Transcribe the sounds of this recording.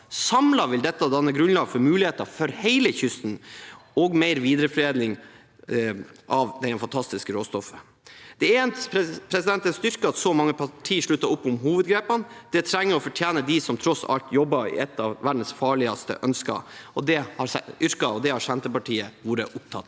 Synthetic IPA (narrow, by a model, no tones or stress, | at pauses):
sɑmlɑʋɪld̪ɛt̪ːɑd̪ɑnːəɡɾʉnlɑːɡfɔɾmʉːlɪheːt̪ɑfɔɾhæɪləçʏst̪n̩ɔɡmeɪɾʋiːd̪əɾəfɾeːd̪nɪŋ | ʔɑʋd̪ɛɛnfɑnt̪ʰɑst̪ɪskəɾoːst̪ɔfːə̥ | d̪̥ɛeːnt̪pʰɾɛsɪd̪ɛnt̪ənst̪ʏɾkəɑt̪sɔmɑŋːəpʰɑʈʰiːʂɭʉt̪ːɑʊpːʊmɦuːʋəd̪ɡɾeːpɑnd̪̥ɛt̪ʰɾɛŋːəɾɔfɔʈʰjeːnəd̪ɪsɔmt̪ʰɾɔsɑ̰lt̪jɔbːɑɪ̰ɛt̪ːɑʋʋæɖn̩sfɑːɭɪɑst̪ə̰ʔœnskɑ̰ɔd̪ɛhɑɾɛʏɾkɑɔd̪ɛhɑɾʂɛnt̪əpɑʈʰiːəʋuːɾə̰ʔʊp̚t̪ʰɑ̰t̪ː